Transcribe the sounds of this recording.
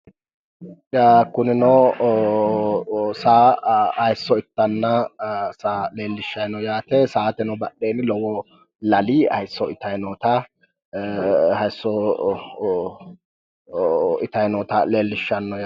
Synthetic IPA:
akʊnɪnɔ | saːɐjsːɔɪt̪ːɐnːɐsaleːlːɪʃːɐjnɔjaːt̪ɛsaːt̪ɛnɔbɐɗeːnlɔwɔ | lɐliːɐ̰jsːɔɪt̪ɐjnɔt̪ɐ | hɐjsːɔ | ɪt̪ɐjnɔːt̪ɐle̞ːlːɪʃːɐnːɔj

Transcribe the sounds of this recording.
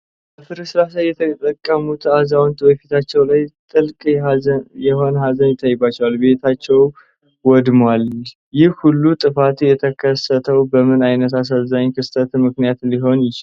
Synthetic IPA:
bbəfɨɾɨsɨɾasajːɛt̪ʰət̪ʼəkʼːəmut̪azawnt̪wɔjɛfit̪ʰat͡ʃːɛwlajt̪ʼɨlkʼ | jɛho̞nɦazənjɪt̪ʰʼːajːɪbat͡ʃːɛwalbe̞t̪ʰat͡ʃːɛw | wɔd̪mwal | jɪhhulːut̪ʼɨfat̪jɛt̪ʰəkʰəsət̪ʰəwbəmɨnajnət̪as̬azaɲkʰɨst̪ʰət̪mɨknijat̪liɦo̞njɪt͡ʃɪ

